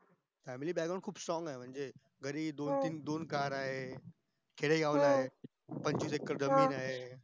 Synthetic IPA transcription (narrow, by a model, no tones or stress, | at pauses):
fɛːmiliɓjaɡəɽ̃kʰuːbsɔ̃ːŋɡaːɦeʋɐ̃ɦɪ̃d͡ʑeː | ɡɐɾiːd̪ot̪ind̪oːnkaːɾaːɦe | kʰeɽeiaːʋʊlaːɦe | pɐ̃ɲd͡ʑusekəɾd̪ɐmiːnaːɦeː